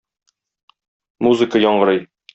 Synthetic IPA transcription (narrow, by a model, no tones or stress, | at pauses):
muzɨkəjɒɴɢɤ̆ɾɤj